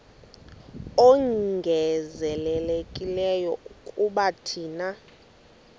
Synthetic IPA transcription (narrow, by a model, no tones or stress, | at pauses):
ɔŋɡʱɛzɛlɛlekʼilɛjɔukʼuɓatʰiːna